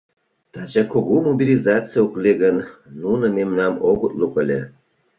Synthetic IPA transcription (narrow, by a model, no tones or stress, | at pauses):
t̪ɑʑɑkoɣumobʲilʲizɑt͡sɨjaokleɣənnunɤ̆memnɑmoɣut̪lukəlʲḛ